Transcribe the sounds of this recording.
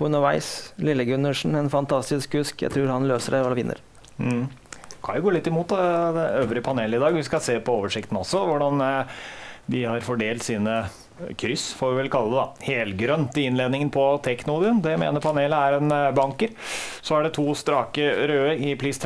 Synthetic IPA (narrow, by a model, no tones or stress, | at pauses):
ʉnːəɾʋæɪslɪlːəɡʉnːəʂɳn̩ɛnfɑnt̪ʰɑst̪ɪskʉskjæ̰ɪt̪ʰɾʉːɾhɑnløːsəɖɛɑʋɪ̰nːʔə̰ɾ̩ | kʰɑ̰nʋʊɡoːlɪt̪ːɪmuːt̪d̪ɛd̪ɛøːʋɾɪəpʰɑneːləɪd̪ɑːɡʋɪskɑseːpɔoːʋəʂɪkt̪n̩ɔsːɔʋʊɖɑn | d̪ɪhɑɾfɔɖeːlt̪siːnə | kʰɾʏsːfɔɾʋɪʋɛlkʰɑlːəd̪ɛd̪ɑ̰heːlɡɾœnt̪ɪɪnleːd̪nɪŋənpʰɔt̪ʰɛknʊlːb̪ɪənd̪ɛmḛːnəɾpʰɑneːləæɾɛnbɑŋkəɾsɔæɖɛt̪ʰuːst̪ɾɑːkəɾøːəɾɪpʰliːst̪